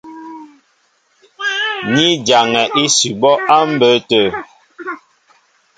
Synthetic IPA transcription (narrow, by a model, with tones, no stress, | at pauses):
ni˦d͡ʒa˨ŋɛ˨ʔi˦si˨bɔ˦ʔa˦m̩˦bə˨˦tə˦˨